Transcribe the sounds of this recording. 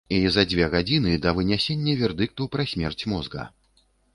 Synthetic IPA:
izɐd͡zʲvʲɛɣad͡zʲinɨd̪ɐvɨnʲɛsʲenʲːɐvʲɛrd̪ɨk̚t̪upɾɐsʲmʲɛrt͡sʲmɔzɡɐ̰

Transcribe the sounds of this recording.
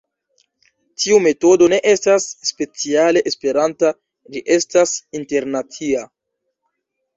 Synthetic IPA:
tʰiume̞to̞do̞ne̞ʔe̞stasːpe̞t͡siale̞ʔespe̞ɾanta | d͡ʒiʔe̞stasinte̞ɾnat͡sia

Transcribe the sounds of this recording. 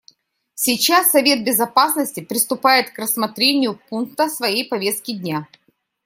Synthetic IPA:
sʲɪt͡ɕasːɐvʲe̞t̪̚bʲɪzɐpasnəsʲtʲɪpɾʲɪst̪ʊpajɪt̪krəsmɐt̪ɾʲenʲɪjʊpunk̚t̪əsvɐjejpɐvʲe̞st̪̚kʲɪdʲnʲa

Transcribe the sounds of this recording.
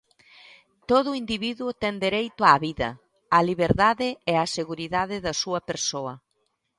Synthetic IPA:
t̪oð̞ʊind̪iβiðuʊt̪ɛnd̪eɾejt̪ʊaβiðɐ̰ | ɐliβeɾðaðɪɛaseɣuɾiðaðɪðɐsuɐpeɾsoɐ

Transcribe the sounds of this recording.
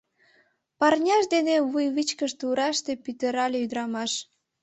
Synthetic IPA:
pɑrnʲɑʃd̪eneβujβit͡ɕkəʃt̪uɾɑʃt̪epyt̪əɾɑlʲeyd̪əɾɑmɑʃ

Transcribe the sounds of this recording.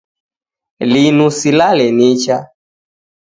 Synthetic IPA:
linusilalɛnit͡ʃa

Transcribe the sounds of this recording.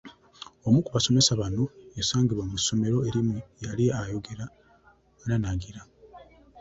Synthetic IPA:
omukuβaso̞me̞saβano̞jasaːŋɡiβwamuso̞me̞ɾo̞eɾimujaliajo̞ɡeɾa | nanaɡiɾa

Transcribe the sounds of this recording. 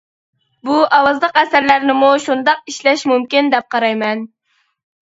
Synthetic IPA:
buʔɑwɑzlˠəqæsæɾlæɾnɪmuʃund̪ɑq̚iʃlɛʃmumkʲind̪ɛp̚qʰɑɾɑjmɛn

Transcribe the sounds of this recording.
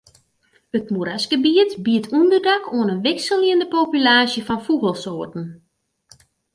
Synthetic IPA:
ətmuɾasɡəbiətbiətʰundərdakʰoənənʋɪksəliəndəpoːpylaːsjəfɔnfuɣəlˠsoːərtn̩

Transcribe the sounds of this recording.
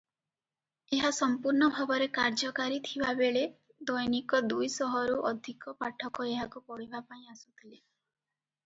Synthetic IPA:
eɦasɔmpuɾɳɔbʱabɔɾekaɾd͡ʒɔkaɾit̪ʰibabeɭe | d̪ɔjnikɔd̪ujsɔɦɔɾuʔɔd̪ʱikɔpaʈʰɔkɔeɦakupɔɽ̤ibʱapaĩasu̥t̪ʰile

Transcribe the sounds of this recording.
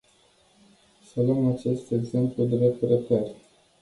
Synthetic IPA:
səlumat͡ʃe̞st̪e̞ɡze̞mplud̪eɾe̞p̚t̪ɾet̪ərʲ

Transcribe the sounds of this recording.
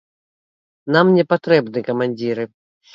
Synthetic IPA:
namnʲɛpat̪ɾɛbnɨkɐmanʲd͡zʲiɾɨ

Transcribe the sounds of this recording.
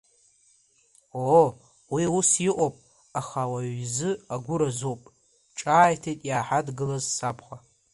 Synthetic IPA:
o | wiusjɪʔʷʼopʼ | aχawaɥzɨaɡʷʊɾazowpʼ | ʈ͡ʂʼaːjtʰejtʼjaːħadɡɨlazsapʰχʷa

